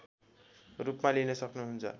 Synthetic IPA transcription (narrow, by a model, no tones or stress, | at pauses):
rupmalinʌsʌknuɦunt͡sʰʌ̰